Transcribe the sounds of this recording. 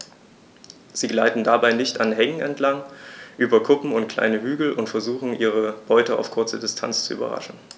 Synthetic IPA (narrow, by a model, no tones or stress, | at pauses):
z̥iːɡlaɪtn̩dabaɪnɪçtanɦɛŋən̩ɛntlaŋʔyːbɐkʰʊpm̩ʊntkʰl̥a̰ɪnəɦyːɡl̩ʊntfɛɐzuːxn̩ʔiːʁ̞əb̥ɔʏtəa̰ʊfkʰʊɐt͡sədɪstʰa̰nt͡st͡suʔy̰ːbɐ̰ʁa̰ʃn̩